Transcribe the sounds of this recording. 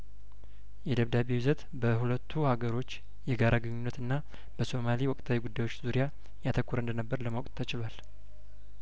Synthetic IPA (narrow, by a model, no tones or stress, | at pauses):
jɛd̪əβd̪aβewuzət̪ | bəhulət̪ʰːuhaɡəɾo̞t͡ʃː | jɛɡaɾʔaɡɨɲːunːət̪ɨnːa | b̥əso̞maliwɔkʼt̪ʰawiɡud̪ːajwot͡ʃːzuɾija | jat̪ʰəkːuɾɨnd̪ənəbːəɾləmawkʼt̪t̪ʰːət͡ʃɪlwal